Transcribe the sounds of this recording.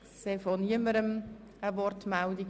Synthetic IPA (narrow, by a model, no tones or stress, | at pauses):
sefɔniəməɾəməvɔrtmɛldi